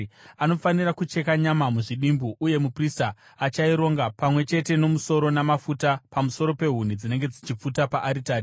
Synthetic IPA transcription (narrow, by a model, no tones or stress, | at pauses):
ano̞fanirakut͡ʃe̞kaɲamamuʐiɗimbuʔuje̞mupristaː | t͡ʃaiɾo̞ŋɡapamwe̞t͡ʃe̞te̞no̞muso̞ɾo̞namafutapamuso̞ɾo̞pe̞ɦun̤id͡zine̞ŋɡe̞d͡zit͡ʃip͡futapaʔaɾitaːɾi